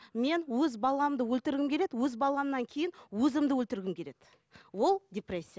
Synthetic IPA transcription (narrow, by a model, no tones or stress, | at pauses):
me̞nwɵzbɑlˠɑmd̪əwɵlt̪ɪɾɡʲɪmkʲʰeɾed̪ɪwɵzbɑlˠɑnːɑŋkʲʰe̞jɪnwɵzɪmd̪əwɵlt̪ɪɾɡʲɪmkʲʰe̞ɾe̞d̪̥ | wo̞lˠdʲe̞presʲːija